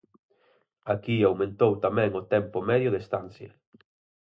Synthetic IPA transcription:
akiawmẽnt̪owt̪amɛ̃ŋʊt̪ɛmpʊmɛðjʊðest̪anθjɐ̰

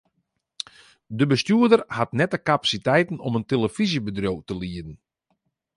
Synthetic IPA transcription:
dəbəstyədərhatnɛtəkapḁsitɛjtənɔmənteləfizibədrowtəliədən̩

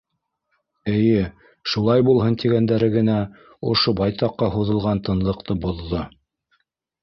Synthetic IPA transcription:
ɘ̆jɘ | ʃulˠɑjbulˠɦɤnt̪iɡænd̪æɾɘɡɘ̆næ | ŏ̰ʃobɑjt̪ɑqːɑɦuðɤ̆lˠʁɑnt̪ɤ̆nlˠɤ̆qt̪ɤbŏðːo

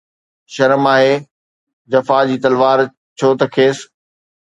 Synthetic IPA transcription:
ʃɐɾəmaːɦeː | d͡ʑɐfaːd͡ʑiːt̪ɐlʋaːɾ | t͡ɕʰoːt̪ɐkʰeːs

